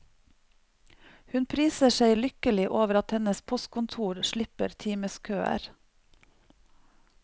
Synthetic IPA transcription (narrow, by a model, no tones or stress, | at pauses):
hʉnpʰɾiːsəʃeɪlʏkəlɪʔoːʋəɾɑt̪hɛnəspʰɔst̪̚kʊnt̪ʰuːɾʃɭɪpəɾt̪ʰiːməskʰøːæ̰ɾ